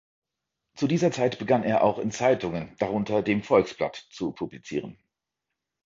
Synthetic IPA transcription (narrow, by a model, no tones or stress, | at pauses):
t͡sudiːzɐt͡saɪtb̥əɡaneːɐʔa̰ʊxɪnt͡saɪtʊŋənd̥aʁ̞ʊntɐdeːmfɔlksb̥la̰tt͡supʰublit͡sḭːʁ̞ən